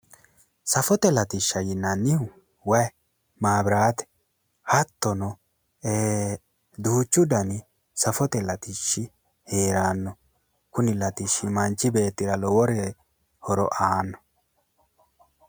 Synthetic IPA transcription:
sɐfɔt̪ɛlɐt̪ɪʃːɐjɪnːɐnːɪhʊ | wɐj | maːbɪɾaːt̪ɛ̥ | hɐt̪ːɔnɔ | eː | d̪uːt͡ʃːʊd̪ɐnɪ | sɐfɔt̪ɛlɐt̪ɪʃːɪ | he̞ːɾaːnːɔ | kʊnɪlɐt̪ɪʃːɪmɐnt͡ʃːɪbe̞ːt̪ːɪɾɐlɔwɔɾe | hɔɾɔ̰ʔaːnːɔ̥

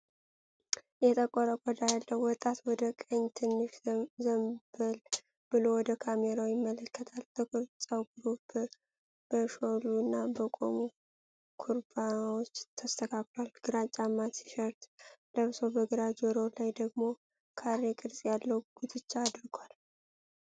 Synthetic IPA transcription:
jɛt̪ʼəkʼːɔɾəkʼɔd̪ajalːəwwːɔt̪ʼːat̪wɔd̪əkʼəɲːt̪ʰɨnːɨʃzəmbəl | b̥ɨlo̞wɔd̪əkʰameɾawjɪmːələkːət̪ʰalb̪əkɨɾsʼawɡɾubɨ | b̥əʃoluɨnːabəkʼo̰mu | kʰuɾbanwot͡ʃːt̪ʰəst̪ʰəkʰaklwalɡ̥ɨɾat͡ʃʼamːat̪i̥ʃəɾt̪ləβsobəɡɨɾad͡ʒɔɾolajd̪əɡmo̞ | kʰaɾːekʼɨɾsʼjalːəwɡ̥ut̪ʰɨt͡ʃːaːd̪ɾɨɡwal

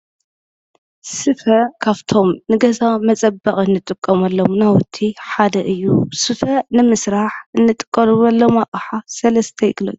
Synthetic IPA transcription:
sɨfɐkʰaβt̪ʰo̞mnɨɡɐzamɐt͡sʼɐbɐχʼɨnːɨt̪ʼɨkʼːɐmɐlːomnawʊt̪ʰːiħad̪ɐʔɨjːusɨfɐnɨmɨsɾaħɨnːɨt̪ʼɨ̥kʼːɐɾɨβɐlːomaʔʼɐħasɐlɐst̪ʰɐjɪɡlo̰t̪ː

